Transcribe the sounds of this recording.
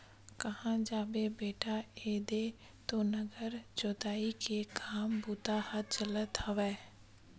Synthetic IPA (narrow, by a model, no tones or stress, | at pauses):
kəhãd͡ʒaːbebeːʈaeːd̪e | t̪onəɡəɾd͡ʒoːt̪aːikeɡaːmbuːt̪ahət̪̚t͡ʃələt̪ɦɐʋɛː